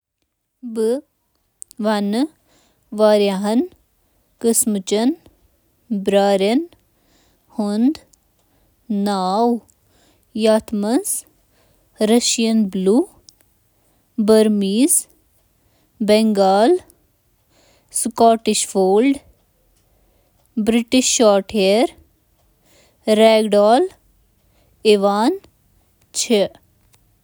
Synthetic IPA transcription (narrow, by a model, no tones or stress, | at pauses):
bɨ | ʋɐn | ʋaːɾjaɦɐn | kəsmɨt͡ʃɐn | bɾaːɾjɐn | hund̪ | naːw | jaːt̪ʰmɐz | ɾɐʃjɐnbluː | bəɾmiːz | bɛŋɡaːl | skɔːʈɪʃfoːlɖ | bɾɪʈiʃːaːɾʈʰeəɾ | ɾɛːɡɖaːl | iʋaːn | t͡ʃʰe